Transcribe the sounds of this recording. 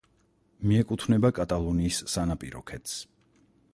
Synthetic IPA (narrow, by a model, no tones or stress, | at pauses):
miɛkʼut̪ʰvnɛbakʼat̪ʼalˠɔniːsːanapʼiɾɔ̰kʰɛt̪ʰs